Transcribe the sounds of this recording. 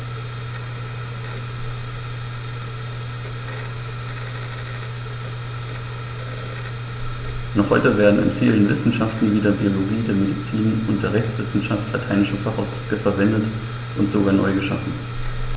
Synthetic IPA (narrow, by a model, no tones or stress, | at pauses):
nɔχhɔʏtəveːɐdn̩ɪ̰nfiːlənvɪ̰sn̩ʃaftn̩viːdɐbioloɡiːdeːɐmedit͡siːnʊnt̚d̥eːɐʁɛçt͡sv̥ɪsn̩ʃaftlatʰaɪnɪʃəfaχaʊsd̥ʁ̥ʏkəfɛɐvɛndət | ʔʊntz̥oɡaːɐnɔ̰ʏɡəʃafn̩